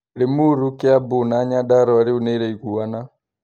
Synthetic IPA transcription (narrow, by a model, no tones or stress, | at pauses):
limuɾukɛabunaːɲadaɾɔaɾiunɛiɾɛikuwana